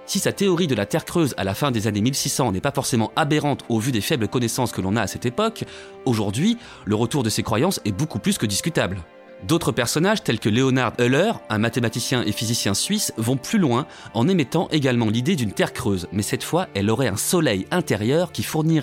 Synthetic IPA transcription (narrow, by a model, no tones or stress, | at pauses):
sisat̪eɔʁid̪əlat̪ɛʁkχøza̰lafɛ̃d̪ezanemilsisɑ̃nɛpafɔʁsemɑ̃abeʁɑ̃t̪ovyd̪efɛbləkɔnɛsɑ̃skəlɔ̃naːsɛt̪epɔk | oʒuʁd̪ɥi | ləʁət̪uʁd̪əsekχwajɑ̃sɛbokuplyskəd̪iskʲyt̪abl | d̪ot̪χəpɛʁsɔnaʒt̪ɛlkəleɔnaʁd̪ølœʁɛ̃mat̪emat̪isjɛ̃ʔefizisjɛ̃sɥisvɔ̃plylwɛ̃ | ɑ̃nemɛt̪ɑ̃ʔeɡalmɑ̃lid̪ed̪ynt̪ɛʁkχøzmɛsɛt̪fwaɛlɔʁɛɛ̰̃sɔlɛjɛ̃t̪eʁjœʁkʲifuʁniʁɛ